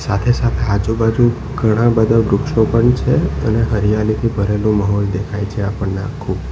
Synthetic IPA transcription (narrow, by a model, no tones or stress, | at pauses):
sat̪ʰesat̪ʰead͡ʒubad͡ʒũ | ɡʱəɽ̃ãbəd̪ʱabɾʊkʃopəɳt͡ʃʰeəneɦəɾijalit̪ʰibʱəɾelũmaɦɔld̪ekʰajt͡ʃʰeapəɳnã̰kʰub